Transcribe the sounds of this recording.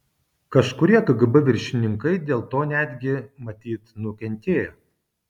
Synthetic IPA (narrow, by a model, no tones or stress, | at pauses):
kɐʃkʊɾʲiɛkɐɡɐbɐʋʲɪɾʲʃʲɪnʲɪŋkɐɪd̪ʲeːlˠt̪oːnʲæd̪ʲɡʲɪmɐt̪ʲiːt̪nʊkʲɛnʲt̪ʲeːjo